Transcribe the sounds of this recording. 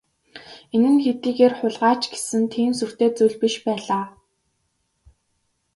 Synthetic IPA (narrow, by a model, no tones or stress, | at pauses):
enɘ̆nxet̪iːɣeːrχʊɮʁaːt͡ɕɡe̥sɘ̆nt̪ʰiːmsur̥t̪eːt͡sujɮpiʃpæːɮaː